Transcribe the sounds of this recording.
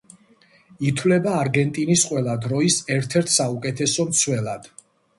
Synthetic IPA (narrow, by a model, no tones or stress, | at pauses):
it̪ʰwlɛbaːɾɡɛnt̪ʼinisqʼwɛlˠad̪ɾɔisɛɾt̪ʰɛɾt̪ʰsaukʼɛt̪ʰɛsɔmt̪sʰwɛlˠad̪̥